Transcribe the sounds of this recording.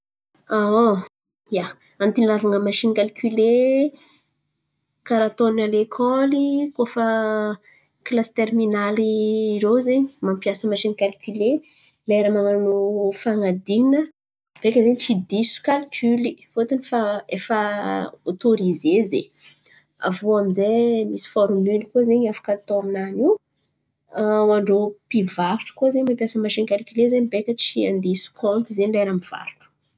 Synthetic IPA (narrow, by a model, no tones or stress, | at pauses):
ao | ja | ant̪inavaŋəmaʃinikalkʰʲyle | kaɾat̪onalekʰɔlikofə | klasi̥t̪erminalirozeɲimampiasəmaʃinkalkʲyle | leɾamananofaŋad̪inə | v̥ekʲəzeɲit͡ʃid̪isu̥kalkʲʰylifot̪unifaefəot̪oɾizezḛ | a̰vuaminzemisi̥fɔɾmylkozeɲafḁkat̪oaminaniw | waɳɖ͡ʐopivaɾuʈ͡ʂu̥kozeɲmampjasəmaʃinkalkʲylezeɲbekʲət͡ʃiãnd̪isu̥kʰõnt̪izeɲleɾamiv̥a̰ɾuʈ͡ʂu̥